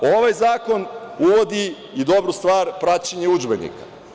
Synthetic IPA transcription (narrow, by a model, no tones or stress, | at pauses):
o̞ʋajzaːko̞nuʋo̞d̪i | id̪o̞bɾust̪ʋaːɾpɾaːt͡ɕeɲeud͡ʒbenḭkḁ̰